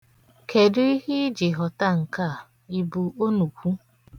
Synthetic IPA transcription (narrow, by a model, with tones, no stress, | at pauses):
kʰe˨dʊ˦i˦hi˦d͡ʒɪ˨ɦɔ˨ta˦ŋ̩˨ka˦˨ | i˨bu˨o˦nu˨kʷu˦